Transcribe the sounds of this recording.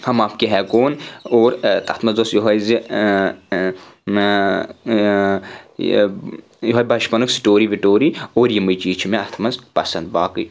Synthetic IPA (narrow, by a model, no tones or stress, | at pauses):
hɐmaːpkiɦɛːkoːnoːɾt̪ɐt̪ʰmɐnzosjoɦɐjzi | joɦɐjbɐʃpɐnuksi̥ʈoːɾiʋiʈoːɾioːɾjimɨt͡ʃiːt͡ʃʰimẽɐt̪ʰmɐnzpɐsɐnd̪̚baːkɨ̰j